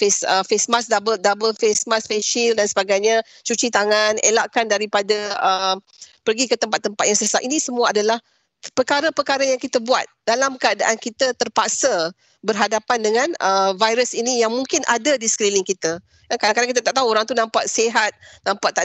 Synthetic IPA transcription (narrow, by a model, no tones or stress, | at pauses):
fesəfesmasdabəl̚dabəlfesmasfeʃildansəbaɡajɲa | t͡ʃut͡ʃit̪aŋanelaʔkandaɾipadaəm | pərɡikət̪əmpat̪ːəmpat̪̚jaŋsəsaʔinĩsəmuaʔadalah | pəkaɾəpərkaɾəjaŋkit̪əbuat̪̚dalamkəada̰ʔankit̪ət̪ərpak̚sə | bərɦadapandəŋãnəvajɾəsinijaŋmuŋkɪnʔadadisə̥kɾiniŋkit̪a | akaaŋkadaŋkit̪at̪aʔt̪aɦuoɾaŋt̪unãmpaʔseɦat̪̚nãmpaʔt̪aʔ